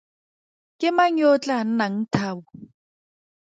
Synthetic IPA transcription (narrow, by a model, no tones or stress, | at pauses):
kʼɪmaŋ̩jot͡ɬʼan̩naŋ̩tʰaːbu